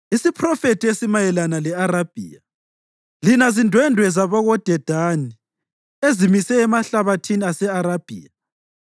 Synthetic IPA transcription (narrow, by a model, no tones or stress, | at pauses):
isipʰrɔfetʰʼiesimajɛlanalɛaɾab̥ʱḭːa | linazindʱwɛndʱwɛzaβɔɣɔd̥ʱɛd̥ʱani | ezimisɛːmaɬaβatʰiniasɛaɾab̥ʱḭːa